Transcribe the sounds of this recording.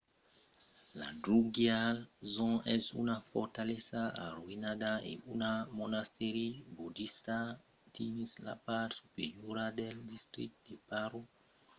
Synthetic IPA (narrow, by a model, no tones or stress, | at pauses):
la̰dɾuɡjalzɔ̃ɛsṵnafɔɾtalesaa̰ɾwinadaḛunamonast̪eɾibudist̪a | tʰinisla̰patsupeɾjoɾadɛldist̪ɾḭk̚t̚depaɾo